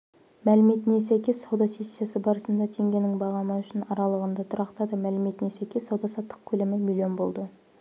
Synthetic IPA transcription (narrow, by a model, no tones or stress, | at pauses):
mælɪmet̪nesæjkʲe̞sːɑwd̪ɑse̞sːijasəbɑɾəsənd̪ɑt̪ʰe̞ŋɡʲe̞nɪŋbɑʁɑmɑʏʃɪnɑɾɑlˠəʁənd̪ɑt̪ʰʊɾɑqt̪ɑd̪əmælɪmet̪nesæjkʲe̞sːɑwd̪ɑsɑt̪ːə̥q̚kʲʰɵlɪmɪmiljo̞nbo̞̰lˠd̪ə